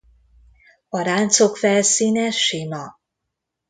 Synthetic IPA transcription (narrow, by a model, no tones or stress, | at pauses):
ɒɾaːnt̪sokfɛlsiːnɛʃimɒ